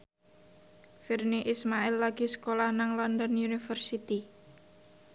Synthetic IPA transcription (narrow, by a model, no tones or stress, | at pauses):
firniʔismaɛlːaɡ̥isə̥kolahnaŋlɔnd̪ənjunifərsit̪i